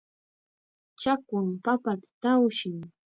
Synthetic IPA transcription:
t͡ʃakʊŋpapat̪ḁt̪awʃɪŋ

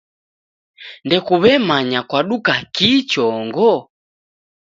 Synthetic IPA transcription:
ndɛkuβɛmaɲakwaɗukakit͡ʃɔŋɡɔ

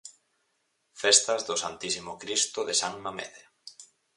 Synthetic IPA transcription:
fest̪azðʊsant̪isimokɾist̪ʊðesaŋmamḛðe

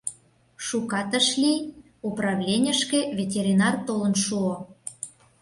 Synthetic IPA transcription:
ʃukɑt̪əʃlʲi | uprɑvlʲenʲə̆ʃkevʲetʲeɾʲinɑrt̪olə̆nʃuo

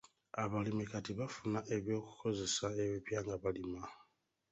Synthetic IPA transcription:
aβalimikatiβafunaʔe̞βjo̞ːku̥kʰo̞ze̞sae̞βipjaːŋɡaβalima

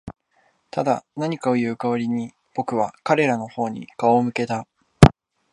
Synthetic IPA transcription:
t̪ad̪anaɲ̟ikao̞jɯ̟ːkaβaɾʲiɲ̟i | b̥o̞kɯ̟βakaɾe̞ɾano̞ho̞ːɲ̟ḭkaomɯ̟ke̞t̪a

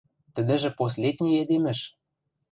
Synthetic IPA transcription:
t̪ə̆d̪ɘ̆ʒɘ̆pos̬lʲed̪̚ʲnʲejed̪emɘ̆ʃ

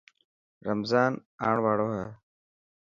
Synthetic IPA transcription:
ɾəmzaːnaːɳʋaːɽoːɦɛː

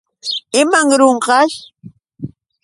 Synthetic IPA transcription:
ɪmaŋɾoɴqɑʃ

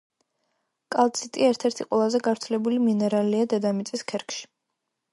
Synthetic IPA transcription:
kʼalˠt̪sʰit̪ʼiɛɾt̪ʰɛɾt̪ʰiqʼwɛlˠazɛɡavɾt̪sʰlɛbuliminɛɾaliad̪ɛd̪amit̪sʼiskʰɛɾkʰʃi̥

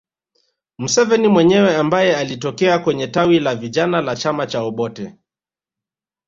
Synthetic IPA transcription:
m̩sɛvɛnimwɛɲɛwɛambajɛalitɔkɛakwɛɲɛtawilaviʄanalat͡ʃamat͡ʃaɔɓɔtɛ

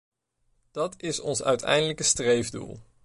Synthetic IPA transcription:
d̥ɑtɪsɔnsœ̰ɥtʰɛ̰jndələkəstrejvdṵlˠ

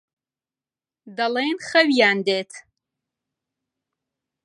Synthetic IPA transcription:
d̪ɐleːnxɐwijaːnd̪eːt̪ʰ

